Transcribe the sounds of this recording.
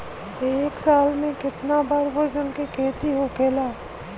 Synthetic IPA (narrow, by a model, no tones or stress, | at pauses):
eːksaːlmẽkɪt̪nabaːɾboːd͡ʒənkekʰeːt̪iɦokʰeːlaː